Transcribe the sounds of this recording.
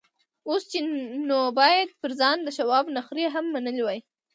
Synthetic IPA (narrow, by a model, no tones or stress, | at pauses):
ost͡ʃenobɑjad̪̚pəɾzɑnd̪əʃawɑbnaxɾeɦamːanəlwaj